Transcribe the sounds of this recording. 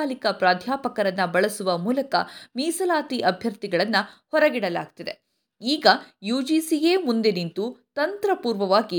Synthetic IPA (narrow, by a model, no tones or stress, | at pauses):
aːlikɐpɾaːd̪ʱjaːpɐkɐɾɐnːɐbɐɭɐsuʋɐmuːlɐkɐ̰miːsɐlaːt̪iʔɐbʱjɐɾt̪iɡɐɭɐnːɐhɔɾɐɡiɽɐla̰ːɡ̚t̪id̪e̞ | iːɡɐjuːd͡ʒiːsijeːmund̪e̞nint̪ut̪ɐnt̪ɾɐpuːɾʋɐʋaːɡi